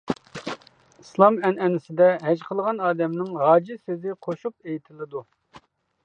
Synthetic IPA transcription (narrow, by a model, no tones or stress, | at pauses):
islˠɑmɛnɛnɪsɪd̪ɛɦɛd͡ʒqʰəlˠəʁɑnɑːd̪ɛmnɪŋʁɑːd͡ʒisezɪqʰoʃupejit̪ʰɪlɪd̪u